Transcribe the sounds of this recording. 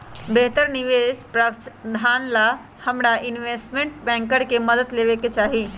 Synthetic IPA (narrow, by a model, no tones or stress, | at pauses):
beɦt̪əɾnɪʋeːspɾəkt͡ʃd̪ʱaːnla | həmɾaʔɪnʋeːsʈmẽɳʈbɛ̃ːŋkəɽkeməd̪əd̪leːʋeket͡ʃaːɦi